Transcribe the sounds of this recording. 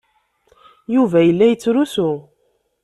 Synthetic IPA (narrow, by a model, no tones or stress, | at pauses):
juvæjəlːæjət͡sːɾusʊ